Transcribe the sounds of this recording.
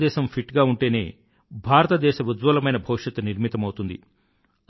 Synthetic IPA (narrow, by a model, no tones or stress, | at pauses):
d̪ɛːʃɐmpʰiʈɡaːuɳʈe̞ːne̞̰ː | bʱaːɾɐt̪ɐd̪ɛːʃɐʋud̪ʋɐlɐmɐjnɐbʱɐwʂɐt̪uniɾmit̪ɐmɐwut̪und̪ḭ